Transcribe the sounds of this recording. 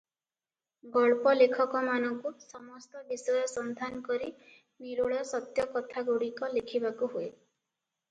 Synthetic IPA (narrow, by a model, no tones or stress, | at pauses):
ɡɔɭpɔlekʰɔkɔmanɔŋkusɔmɔst̪ɔbisɔjɔsɔnd̪ʱanɔkɔɾi | miɾoɭɔsɔt̪jɔkɔt̪ʰaɡoɽikɔlekʰibakuɦue